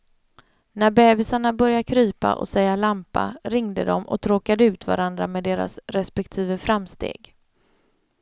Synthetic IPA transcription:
næɾbɛːbɪsaɳabœɾjakʰɾyːpa̰ʔɔ̰sɛjalampa̰ɾɪŋd̪ə̰d̪ɔmʔɔ̰t̪ʰɾoːkad̪əʉ̟ːt̪va̰ɾand̪ɾameːd̪eːɾa̰sɾɛspɛk̚t̪ʰiːvəfɾamst̪ḛːɡ

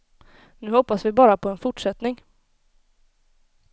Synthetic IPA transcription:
nʉ̟ːhɔpːasvɪbɑːɾapʰɔɛnfʊʈʂɛt̪nɪŋ

